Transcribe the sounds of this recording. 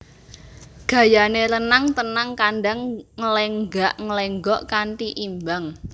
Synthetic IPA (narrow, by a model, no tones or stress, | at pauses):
ɡ̥ä̤janeɾənaŋt̪ənaŋkaɳɖaŋŋəlɛŋɡaʔŋəleŋɡɔʔkaɳʈiʔimbaŋ